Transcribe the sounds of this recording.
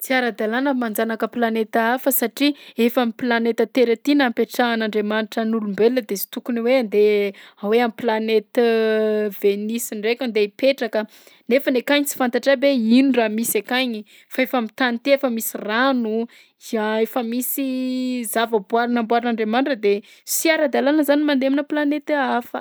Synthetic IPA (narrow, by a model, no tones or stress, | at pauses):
t͡siaɾəd̪alanəmand͡zanakəplanet̪aafəsaʈ͡ʂiefamiplanet̪ət̪eɾat̪inampeʈ͡ʂaːnaɳɖ͡ʐemanʈ͡ʂənulumbeləd̪esi̥t̪ukuniweand̪eaweamiplanet̪əvenisiɳɖ͡ʐekʲand̪eipeʈ͡ʂakə | nefənekaɲit͡si̥fant̪aʈ͡ʂabeinuɖ͡ʐamisekaɲi | faefamit̪anit̪iefəmisiranu | izaefəmisizavəbuaɾanambwaɾanaɳɖ͡ʐemanʈ͡ʂəd̪e | siaɾad̪alanəzanimand̪eminəplanet̪afə̰